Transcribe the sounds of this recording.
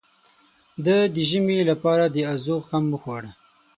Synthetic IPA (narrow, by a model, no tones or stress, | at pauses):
d̪əd̪əʒəmelapɑɾad̪əazoxamːəxwɑɽa